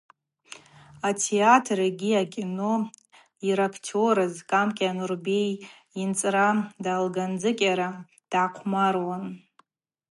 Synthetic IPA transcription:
atʰeatʰraɡʲiakʲʼino | iɾakʰtʰoɾazkʼamkʲʼanurbej | int͡sʼradaːlɡand͡zɨkʲʼaɾa | d̥ʕaqʷʰmarwan

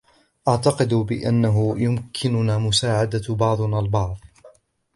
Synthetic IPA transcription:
ʔɑʕt̪ɑqɨd̪bɪ̰ʔa̰nːaɦʊjʊmkʰɪnʊnaːmʊsaːʕad̪abɑʕd̪ˤnaːlbɑʕðˤ

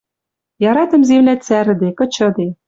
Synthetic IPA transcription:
jɑɾɑt̪ɤ̆mzemlæt͡sæɾ̆d̪ekɤ̆t͡ɕɤ̆d̪e

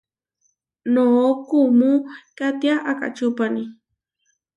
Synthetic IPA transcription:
nokumukat̪jaʔaka̰t͡ʃupani

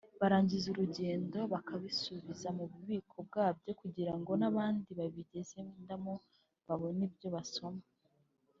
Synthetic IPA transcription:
βaɾaːɲɟizuɾuɟe̞ːndo̞βakʰaβisuβizamuβuβiːkʰo̞b̚ɡaːb̚ɟo̞kuɟiɾaŋɡo̞naβaːndiβaβiɟe̞ze̞ndamo | βaβo̞nibjo̞βaso̞ma

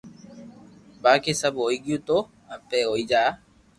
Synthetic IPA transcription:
baːkesəboːiɡijũt̪o | əpːeːɦoːiːd͡ʒaː

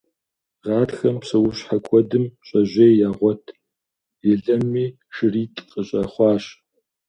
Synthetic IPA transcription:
ʁɑːtxɐmpsɐwʊɕħakʷʼɔdɨmɕʷʼɐʑejjaːʁʷɔtʰ | jɪɮɐmːiː | ʂɨriːtʼqʼəɕʼɐχʷɑːɕ

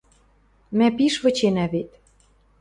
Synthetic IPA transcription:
mæpiʃβɤ̆t͡ɕenæβet̪

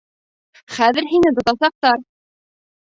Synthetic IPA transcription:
χæðɘ̆ɾɦinɘt̪ŏt̪ɑsɑq̚t̪ɑɾ

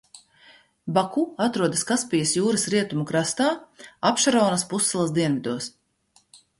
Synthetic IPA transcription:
bakuat̪ɾuɔd̪ɐskaspʲijɐsjuːɾɐsɾiɛt̪umukɾast̪aːapʃaɾɔːnɐspusːɛlˠɐsd̪iɛnvid̪uɔs

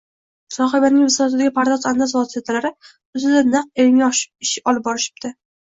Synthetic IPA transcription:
sɒχɪbanɪŋʲvɪsɒat̪ɪd̪aɡʲɪpʰaɾd̪ɒzand̪asvɒsijat̪ʰalaɾɪ | ʊzɪd̪anɨq̚elɪŋʲaɒʃɪɪʃɪɒlˠɪp̚bɒɾɪʃɪ̥p̚t̪ʰɪ

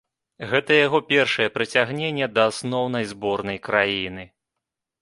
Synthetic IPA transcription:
ɣɛt̪ɐjaɣɔpʲɛrʂɐjɛpɾɨt͡sʲaɣnʲenʲːɛd̪ɐːsnɔwn̪ɐjzbɔrnɐjkɾajinɨ

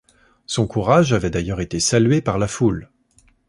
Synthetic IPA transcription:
sɔ̃kuʁaʒavɛd̪ajœʁet̪esalɥepaʁlaful

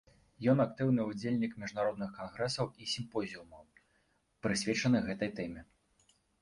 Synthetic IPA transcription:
jɔnak̚t̪ɨwnɨud͡zʲelʲnʲikmʲiʐnaɾɔd̪̚nɨxkanɣɾɛsɐwisʲimpɔzʲiumɐw | pɾɨsʲvʲɛt͡ʂɐnɨɣɛt̪ɐjt̪ɛmʲɛ

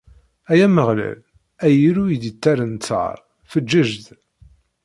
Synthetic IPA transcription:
æjæməʁlæ̰l | æjiɾujid̪ət̪ːæɾənt͡sːɑ̰ɾˤ | fəd͡ʒːəʒd̪

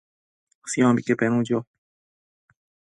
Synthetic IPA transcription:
sijãːbikepenũːd͡ʑo

